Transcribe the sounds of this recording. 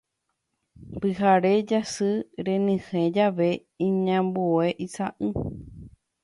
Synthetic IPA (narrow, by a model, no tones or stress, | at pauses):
pɨɦaɾed͡ʒasɨɾẽnĩhẽd͡ʒaʋe | ĩɲãmbueʔisaʔɨ